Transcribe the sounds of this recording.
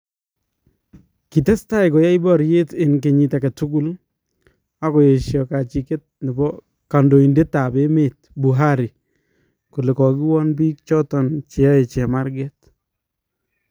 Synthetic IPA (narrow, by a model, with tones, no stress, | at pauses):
ki˨tɛ˦sta˦ɪ˨kɔ˨ja˦jbɔ˦ɾje˦te˨nke˨ɲi˨ta˨ka˨tu˦ku˦l | a˦kɔ˨je˨ʃjɔ˨ka˨t͡ʃi˨ke˦t̚nɪ˨bɔ˦ | ka˨ndo˨i˨nde˦tːa˨be˦me˨t̚ | bu˨ɦa˦ɾi˨ | ko˨le˨kɔ˨ɡi˦wɔ˦nbi˦k̚t͡ʃɔ˦tɔ˨nt͡ʃɪ˨a˦e˨t͡ʃɛ˨ma˦ɾɡɛ˦t